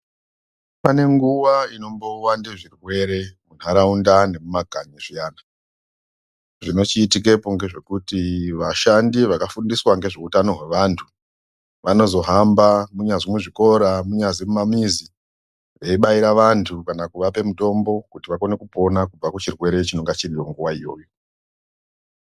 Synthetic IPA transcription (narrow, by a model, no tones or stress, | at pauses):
pane̞ŋɡuwaino̞mbo̞wandeʐirwe̞ɾe̞mun̤aɾaundane̞mumaɡʱaɲiʐijaːna | ʐino̞t͡ʃiːtik̬e̞poŋɡe̞ʐe̞kutiʋaʃandiʋakafundiswaŋɡe̞ʐeutano̞ɦwe̞ʋantʰu̥ | ʋano̞zo̞ɦambamuɲaʐimuʐiko̞ɾamuɲazimumamizi | ʋeiɓaiɾaʋantʰukanakuʋape̞muto̞mbo̞kutiʋako̞ne̞kupo̞nakub͡vakut͡ʃirwe̞ɾe̞t͡ʃino̞ŋɡat͡ʃirijoŋɡuʋaijo̞ːjo̞